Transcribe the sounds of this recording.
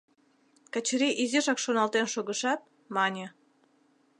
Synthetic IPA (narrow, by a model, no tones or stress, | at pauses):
kat͡ɕɾiʔiziʃɑkʃonɑlt̪enʃoɣə̆ʃɑt̪̚ | mɑnʲe